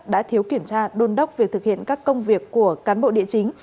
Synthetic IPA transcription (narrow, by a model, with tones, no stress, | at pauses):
ɗa̰ː˧˥t̪ʰi˨˦əwki˧˩əmt͡ɕaː˧ɗo˨˧˩nɗə˦˥wk͡p̚vi˨˩k̚t̪ɨ˨˩k̚hḭ˧˨ənkaː˦˥kːə˧wŋ͡mvi˨˩əkːu˧˩əkaː˨˦nɓo̰˧˨ɗḭ˧˨ət͡ɕï˨˦ŋ̟